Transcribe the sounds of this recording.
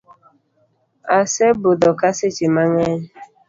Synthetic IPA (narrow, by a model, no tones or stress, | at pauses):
asebʊdɔkasɪt͡ʃɪmaŋeɲ